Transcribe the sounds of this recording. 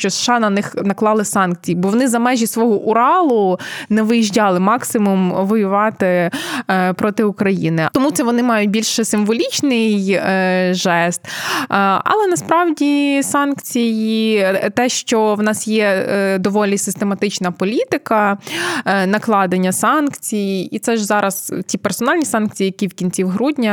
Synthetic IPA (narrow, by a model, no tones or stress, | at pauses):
ʃt͡ʃɔsʃɑnɐnɪxnɐklˠɑlˠɪsɑnk̚t͡sʲijibɔʋɔnɪzɐmɛʒʲisʋɔɦɔʔʊɾɑlˠʊnɛʋɪjiʒdʲɑlˠɪmɑksɪmumʋɔjʊʋɑt̪ɪ | pɾɔt̪ɪʊkɾɐjḭnɪt̪ɔmut̪sɛʋɔnɪmɑjʊt̚ʲbʲilʲʃɛsɪmʋɔlʲit͡ʃnɪj | ʒɛst̪ | ɐ̰lˠɛnɐspɾɑwdʲisɑnkt͡sʲijit̪ɛʃt͡ʃɔwnɑsjɛd̪ɔʋɔlʲisɪst̪emɐt̪ɪt͡ʃnɐpɔlʲit̪ɪkɐ | nɐklˠɑd̪enʲːɐsɑnkt͡sʲijiit̪sɛʒzɑɾɐztʲipɛrsɔnɑlʲnʲisɑnkt͡sʲijijɐkʲiwkʲinʲt͡sʲiwɦɾudʲnʲɐ